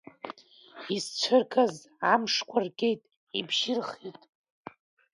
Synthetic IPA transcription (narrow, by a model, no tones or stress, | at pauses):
ist͡ʃʷʰɨrkʰʼaz | amʂkʷʰarkʲʼe̞jtʼ | ibʒɪrχitʼ